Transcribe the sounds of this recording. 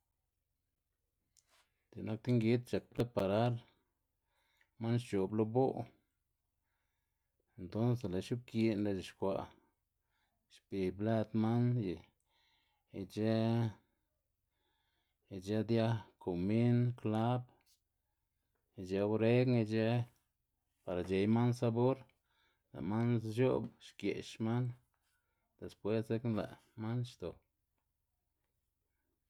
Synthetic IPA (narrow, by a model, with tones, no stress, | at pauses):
d̪e˨na˦k̚t̪i˦ŋɡi˦t̪̚t͡ʃa˨k̚ple˦pa˨ɾa˦ɾ | ma˦nʃt͡ʃo˨blo˧bo˦ | e˨nt̪o˦nse˨la˨ʃu˦b̚ki˧nɾa˧d͡ʒe˨ʃkʷa̰˧ | ʃpi˨bla˦t̪ma˦nji˨ | t͡ʃe˦˨ | d͡ʒe˦d̪ja˦ko˨mi˦nkla˦b | d͡ʒe˧˦ɾe˦ɡŋi˧d͡ʒe˦ | pa˨ɾa˨d͡ʒe˨jma˦nsa˧bo˦ɾ | la̰˨ma˦nʃo̰˦bʃkjḛ˨ʃma˦n | d̪̥e˨spwe˦sze˦knla̰˨ | ma˦nʃt̪o˨